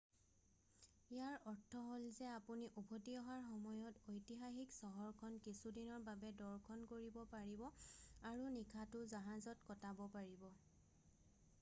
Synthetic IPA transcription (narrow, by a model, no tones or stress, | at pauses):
ijaɹɔɹtʰɔɦolzɛapuniʔubʰʱɔtiɔɦaɹxɔmɔjɔtojtiɦaxiksɔɦɔɹkʰɔnkisudinɔɹbabɛdɔɹkʰɔnkoɹibɔpaɹibɔaɹunikʰatʊzaɦazɔtkɔtabɔpaɹibɔ